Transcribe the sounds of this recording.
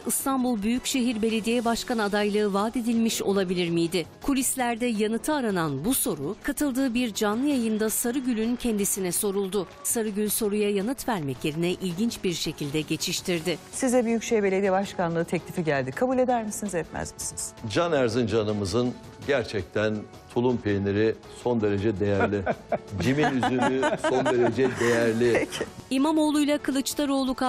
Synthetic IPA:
ɯst̪ʰanbulˠbyjycʃeɦiɾbe̞lʲe̞d̪ijɛbaʃkanad̪ajlˠɯɯvaːd̪e̞d̪ilʲmiʃo̞lˠabilʲiɾmijd̪ɪkʰulʲislʲæɾd̪ɛjanɯt̪ʰɯaɾananbuso̞ɾukʰat̪ʰɯlˠd̪ɯːbiɾd͡ʒanlˠɯjajɯnd̪asaɾɯɟylʲyncʰɛnd̪isinɛso̞ɾulˠd̪ʊ | saɾɯɟylʲso̞ɾujajanɯt̪væɾmɛclʲe̞ɾinɛʔilʲɟint͡ʃbiɾʃe̞cʰilʲd̪ɛɟe̞t͡ʃʰiʃt̪ʰiɾd̪ɪsizɛbyjycʃejbe̞lʲed̪ijɛbaʃkanˠɯːt̪ʰeclʲifiɟælʲd̪ikʰabuːlʲe̞d̪æɾmisinizɛp̪mæ̰zmisiniz̥d͡ʒanæɾzind͡ʒanɯmɯzɯn | ɟæɾt͡ʃʰɛc̚t̪ʰæn | t̪ʰulˠumpʰeneɾɪ | so̞nd̪e̞ɾe̞d͡ʒɛd̪e̞jæɾlʲɪd͡ʒiminyynyso̞nd̪e̞ɾe̞d͡ʒɛd̪e̞jæɾlʲɪimamo̞ːlˠujlˠakʰɯlˠɯt͡ʃt̪ˠaɾo̞ːlˠukʰa

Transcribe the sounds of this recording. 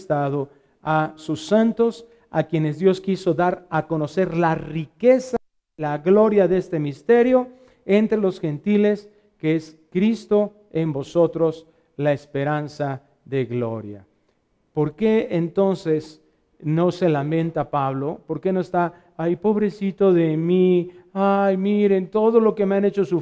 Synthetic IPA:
st̪aðo | asusːant̪os | akje̞nezðjo̞skiso̞ðaɾako̞no̞se̞ɾlarikesa | laɣlo̞ɾjaðest̪e̞mist̪e̞ɾjo̞ | ent̪ɾelo̞sxent̪ile̞s | keeskɾist̪o | embo̞so̞t̪ɾo̞s | laespe̞ɾansa | ðe̞ɣlo̞̰ɾja̰ | po̞ɾke̞ːnt̪o̞nses | no̞se̞lamẽ̞nt̪apaβlo̞poɾke̞noest̪aː | ijpo̞βɾe̞sit̪o̞ðemiajmiɾe̞nt̪o̞ðolo̞kemeane̞t͡ʃo̞su

